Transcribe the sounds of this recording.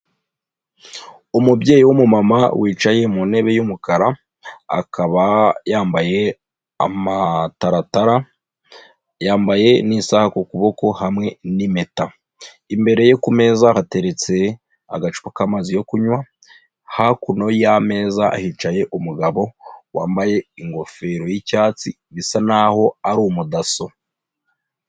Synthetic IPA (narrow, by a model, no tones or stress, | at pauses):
umubje̞ːjiwumumama̰wʔiːt͡ʃaje̞mune̞βe̞jumukaɾa | a̰kʰaβajaːmbaje̞ | a̰mataɾataɾa | jaːmbaje̞nisahakokuβo̞ko̞hamŋe̞nime̞ta | imbe̞ɾe̞jokume̞ːzahate̞ɾe̞t͡se̞ | aɡat͡ʃu̥pakamazijo̞kuɲwa | hakuno̞jame̞ːzaʔːhit͡ʃaje̞ʔumuɡaβo̞waːmbaje̞iŋɡo̞fe̞ɾo̞jicaːt͡si | βisanaho̞aɾomudaso̞